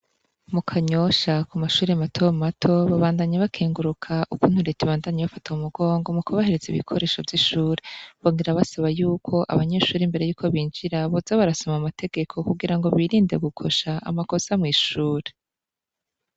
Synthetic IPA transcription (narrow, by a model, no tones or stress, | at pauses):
mukʰaɲo̞ʃakumaʃuːɾematʰo̞matʰo̞βaβaːndaɲeβakʰeːŋɡuɾukʰaʔukun̥huɾetiβaːndaɲeβafataumuɡo̞ːŋɡo̞mukuβaheɾeziβḭkʰo̞ɾe̞ːʃo̞vjiʃuːɾeβo̞ːŋɡiɾaβasaβajuːkʰo̞ʔa̰βaɲe̞ːʃuːɾimbe̞ɾe̞juːkʰo̞βiːnd͡ʒiɾaβozaβaɾasomamatʰe̞ɡ̥e̞kʰo̞kuɡiɾaŋɡo̞βiɾiːndeɡukʰo̞ʃaa̰mako̞samŋiːʃuːɾe